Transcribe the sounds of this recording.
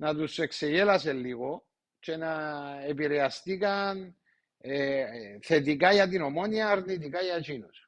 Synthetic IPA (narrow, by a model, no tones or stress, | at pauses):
nat̪̬usekseʝelaselːiɣo | t͡ʃenaep̬iɾeast̪ikan | eθet̪̬ikajat̪̬inomonjaɾnit̪ikajat͡ʃinos